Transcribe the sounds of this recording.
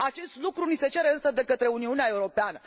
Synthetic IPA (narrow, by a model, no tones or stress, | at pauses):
at͡ʃe̞st̪lukɾunise̞t͡ʃe̞ɾeɨnsəd̪e̞kət̪ɾe̞uniuneae̞uɾo̞peanə